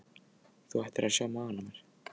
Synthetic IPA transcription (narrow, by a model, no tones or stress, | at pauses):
θuɛjht̪ɪɾʔaðsjaːwmaaːanamɛɾ̥